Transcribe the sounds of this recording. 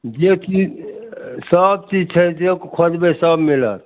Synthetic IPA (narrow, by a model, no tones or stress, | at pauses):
d͡ʒet͡ʃi | səb̚t͡ʃid͡ʒt͡ʃʰəjsekokʰod͡ʒbesəbmilə̰t̪̚